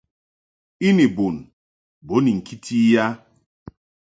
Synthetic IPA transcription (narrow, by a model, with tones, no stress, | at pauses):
i˦ni˨bʊ˨n̩˨ | bo˨˦ni˨ŋ̩˨kʰi˦tʰi˦ja˦